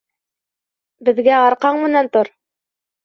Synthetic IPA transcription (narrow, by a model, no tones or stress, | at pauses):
bɘ̆ðɡæɑɾqɑɴmɘ̆nænt̪oɾ